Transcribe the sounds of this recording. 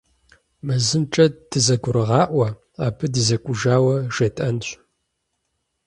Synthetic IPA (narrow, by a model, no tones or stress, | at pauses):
mɨzɨmʈ͡ʂʼɐd̥ɨzɐɡʷʊɾɨʁɑːʔʷɐ | aːpʰɨdɨzɐkʷʼʊʒaːwɐʒ̥eːtʼɐnɕʷʼ